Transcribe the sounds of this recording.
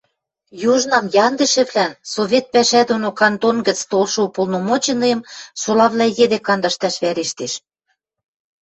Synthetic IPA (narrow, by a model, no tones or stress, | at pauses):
juʒnɑmjɑnd̪ə̆ʃɘ̆βlænsoβʲet̪̚pæʃæd̪onokɑnt̪onɡə̆t͡st̪olʃɤupolnomot͡ɕɤ̆nɤjɤ̆msolɑβlæjed̪ekɑnd̪ɑʃt̪ɑʃβæɾeʃt̪eʃ